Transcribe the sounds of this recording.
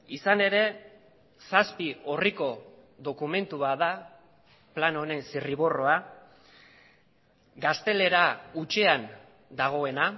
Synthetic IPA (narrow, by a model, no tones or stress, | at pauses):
isane̞ɾe̞ | saspio̞riko̞ | ðo̞kume̞nt̪uβaða | plano̞ne̞nsiriβ̞o̞ro̞a | ɡast̪e̞le̞ɾaut͡ʃe̞an | d̪aɣ̞o̞e̞na